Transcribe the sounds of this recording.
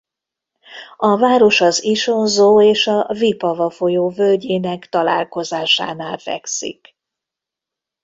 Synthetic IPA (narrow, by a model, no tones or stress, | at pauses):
ɒvaːɾo̞ʃɒziʃo̞nzoːeːʃɒvipɒvɒfojoːvølɟeːnɛkt̪ɒla̰ːlko̞zaːʃa̰ːnaːlfɛ̰ksḭk